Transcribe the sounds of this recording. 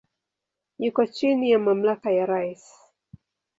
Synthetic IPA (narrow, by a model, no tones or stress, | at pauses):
jukɔt͡ʃinijamamlakajaɾajs